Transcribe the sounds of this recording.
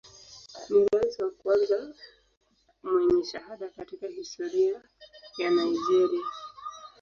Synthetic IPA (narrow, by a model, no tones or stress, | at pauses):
niɾaiziwakuanza | mwɛɲɛʃaɦaɗakatikahistɔɾia | janaiʄɛɾia